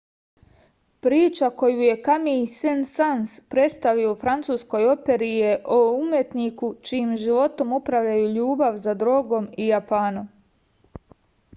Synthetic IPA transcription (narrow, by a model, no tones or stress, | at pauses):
pɾiːt͡ʃako̞juːje̞kamisensanspɾe̞t̪st̪aʋiofɾant̪suːsko̞jo̞pe̞ɾijeʔoumje̞t̪nikut͡ʃiimʒiʋo̞t̪o̞mupɾaʋʎajuːʎuːbaʋzad̪ɾo̞ːɡo̞mijapaːnom